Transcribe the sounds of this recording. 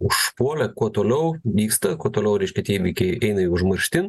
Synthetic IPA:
ʊʃpuɔlʲɛkuɔt̪oːlʲɛʊʋʲiːkst̪ɐkuɔt̪oːlʲɛʊɾʲɛɪʃʲkʲɛt̪ʲiɛʋʲiːkʲɛɪɛɪnɐɪʊʒmɐɾʲʃʲt̪ʲɪn

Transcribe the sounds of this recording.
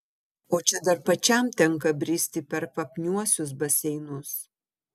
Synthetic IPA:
oːt͡ʃʲɛd̪ɐɾpɐt͡ʃʲɛˑmt̪ʲɛŋkɐbʲɾʲiːsʲt̪ʲɪpʲɛɾpɐpʲnʲuɔsʲʊs̬bɐsʲɛɪnʊs

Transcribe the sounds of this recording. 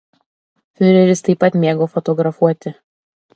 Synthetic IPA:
fʲøɾʲɛɾʲɪst̪ɐɪpːɐt̪ʲmʲeːɡoːfɔt̪ɔɡɾɐfuɔt̪ʲɪ

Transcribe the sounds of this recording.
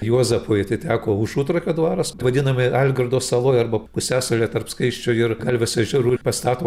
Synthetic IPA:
juɔzɐpoːjɪt̪ʲɪtʲæːkoːʊʃuːt̪ɾɐkʲoːd̪ʋɑːɾɐsʋɐd̪ʲɪnɐmʲɪɐlʲɡɐrd̪oːsɐlˠoːjɐrbɐpʊsʲæːsɐlʲeːt̪ɐrpskɐɪʃʲt͡ʃʲʊɪrɡɐlʲʋʲɪsʲɐʒʲɛɾuːpɐst̪ɑːt̪oː

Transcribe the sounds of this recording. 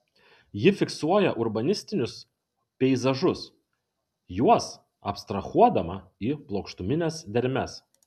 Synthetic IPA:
jɪfʲɪksuɔjɛʔʊɾbɐnʲɪsʲt̪ʲɪnʲʊs | pʲɛɪzɐʒʊs | juɔs | ɐpst̪ɾɐxuɔd̪ɐmɐiːplˠoːkʃt̪ʊmʲɪnʲɛsd̪ʲɛɾʲmʲɛs

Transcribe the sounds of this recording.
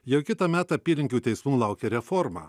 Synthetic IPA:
jɛʊkʲɪt̪ɑmʲæːt̪ɑɐpʲiːlʲɪŋʲkʲuːt̪ʲɛɪsmuːlˠɑʊkʲɛːɾʲɛfɔɾmɑ̰

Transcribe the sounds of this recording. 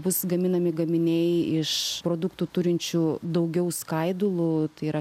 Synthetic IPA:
bʊsɡɐmʲɪnɐmʲɪɡɐmʲɪnʲɛɪɪʃpɾoːd̪ʊkt̪uːt̪ʊɾʲɪnʲt͡ʃʲud̪ɐʊɡʲɛʊskɐɪd̪ʊlˠʊt̪ɐɪiːɾɐ

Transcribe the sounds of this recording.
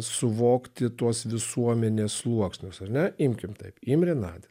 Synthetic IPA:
sʊʋoːkt̪ʲɪt̪uɔsʋʲɪsuɔmʲɛnʲeːslˠuɔksʲnʲʊsɐɾnʲɛɪmʲkʲɪmt̪ɐɪpimʲɾʲɪnɑːd̪ʲɪ

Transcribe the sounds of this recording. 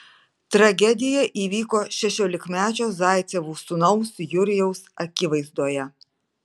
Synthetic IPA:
t̪ɾɐɡʲɛd̪ʲɪjɛʔiːʋʲiːkoːʃʲɛʃʲoːlʲɪkmʲæːt͡ʃʲoːzɑˑɪt̪sʲɛʋuːsʊnɐʊsjʊɾʲɪjɛʊsɐkʲɪʋɐɪzd̪oːjɛ

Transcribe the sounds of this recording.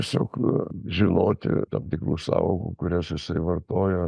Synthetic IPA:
ɛsʲo̰ːkʒʲɪnoːt̪ʲɪ̰t̪ɐmt̪ʲɪkruːsɑ̰ːʋoːkṵkʊɾʲɛsjɪsɐɪʋɐrt̪oːjɛ

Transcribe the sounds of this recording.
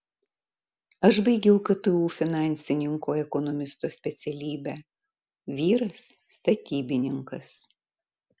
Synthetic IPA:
ɐʃbɐɪɡʲɛʊkɐt̪ʊuːfʲɪnɑˑnʲsʲɪnʲɪŋkoːɛkɔnɔmʲɪst̪oːsʲpʲɛt̪sʲɛlʲiːbʲæː | ʋʲiːɾɐsː | t̪ɐt̪ʲiːbʲɪnʲɪŋkɐs

